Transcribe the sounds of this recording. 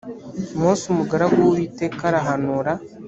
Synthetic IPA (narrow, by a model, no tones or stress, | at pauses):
mosumuɡaɾaɡuβitekaɾaɦanuɾa